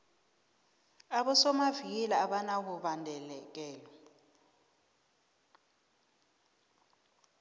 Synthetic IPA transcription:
aɓɔsɔmavik̬ɛlaaɓanak̬uɓandʱɛlɛk̬ɛːlɔ

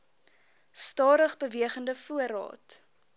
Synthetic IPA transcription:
stɑːɾəχbəviəχəndəfuəɾɑ̰ːt

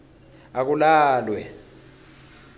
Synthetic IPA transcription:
ak̬ulaːlwɛ

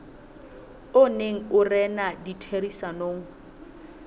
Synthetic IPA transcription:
ʊneŋ̩ʊrɛnaditʰerisanoːŋ̩

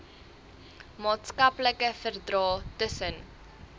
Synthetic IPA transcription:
mɑːtskɐpləkəfərdrɑːtəsən

